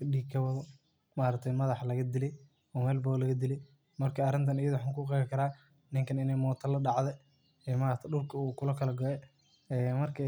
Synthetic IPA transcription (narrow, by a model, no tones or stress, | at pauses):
ɗiːkʰːɐwɐðɔ | maːɾɐk̚t̪ʰɛjmɐðɑħlɐɣɐd̪ilɛj | ɔːmɛːlbɔːlɐɣɐd̪ilɛj | mɐrkʰɐɐrɪnt̪ʰɐnɪjɐðʊwħaːŋkʰʊːqɛjɣɪkʰɐɾaː | nɪŋkʰɐnɪnɛjmɔːt̪ʰɐlɐɖɑʕðɛ | ɛːmaːɾɐt̪ʰɐɖʊlkʰɐuːkʰʊlɐkʰɐlɐɡɔɛ | ɛːmɐrkʰɐ